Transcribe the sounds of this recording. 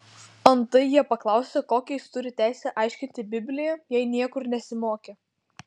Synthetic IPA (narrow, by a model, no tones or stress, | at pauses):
ɐnt̪ɐɪjiɛpɐklˠɑˑʊsʲekoːkʲɛɪst̪ʊɾʲɪt̪ʲæˑɪsʲɛʔɑˑɪʃʲkʲɪnʲt̪ʲɪbʲɪbʲlʲɪjɛjɛɪnʲiɛkʊɾnʲɛsʲɪmoːkʲeː